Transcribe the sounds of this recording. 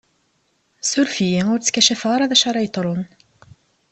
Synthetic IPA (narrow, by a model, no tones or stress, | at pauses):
sʊɾfijiʊɾt͡sːə̥kːæʃæfʁɑɾˤɑðæʃɑɾˤɑjt̪ˤɾˤon